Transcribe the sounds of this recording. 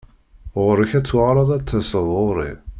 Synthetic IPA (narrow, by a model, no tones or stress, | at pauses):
ʁɾəçæt͡sːwaʁɾˤɑðˤæt͡sːəsəðˤoɾˤḭð